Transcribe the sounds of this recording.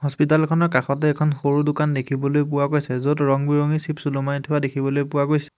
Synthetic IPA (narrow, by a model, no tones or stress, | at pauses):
ɦɔspitalkʰɔnɔɹkaxɔtɛːkʰɔnxoɹudʊkandekʰibɔlojpʊwaɡojsɛzotɹɔŋbiɹoŋisipsulumajtʰʊwadekʰibɔlojpʊwaɡojsɛ̥